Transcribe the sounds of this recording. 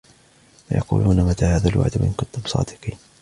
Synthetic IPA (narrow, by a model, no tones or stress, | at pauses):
wajɑqṵːluːnamat̪aːhaːðalwa̰ʕd̪wa̰ʔɪnkʊnt̪ʊbsˤɑ̰ːd̪ɪqiːn